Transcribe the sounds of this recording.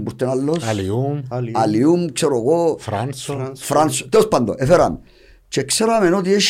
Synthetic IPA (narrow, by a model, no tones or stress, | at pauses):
mbuɾt̪enalːoslualiumkt͡ʃeɾokoɾfɾansot̪eospand̪o̰ʔefeɾa̰m | t͡ʃekseɾamenot̪̬jeʃ